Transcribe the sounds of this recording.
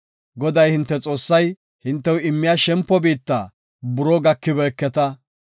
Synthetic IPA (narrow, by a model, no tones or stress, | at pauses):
ɡɔd̪ɐjhɪnt̪ːɛt͡sʼo̞ːsːɐj | hɪnt̪ːɛwɪmːɪjaʃɛmpːɔbiːt̪ːaː | bʊɾɔɡɐkːɪbɛːkːɛt̪ɐ